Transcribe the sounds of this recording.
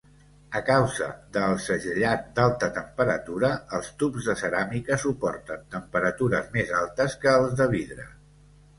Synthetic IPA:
əkawzə̰ðəlˠsəʒəʎat̪̚d̪alˠt̪ət̪əmpəɾət̪uɾəːlˠst̪upzðəsəɾamikəsupɔrt̪ənt̪əmpəɾət̪uɾəzmezalˠt̪əskəːlˠzðəβ̞iðɾə̰

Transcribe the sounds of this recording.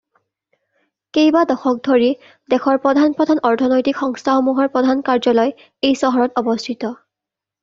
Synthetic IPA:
kejbadɔxɔk̚dʱoɹi | dɛxʰɔɹpɔdʱanpɹɔdʱanɔɹtʰɔnɔjtikxɔŋstʰaxomuɦɔɹpɹɔdʱankaɹzɔlɔj | ejsɔɦɔɹɔtɔbɔstʰitɔ

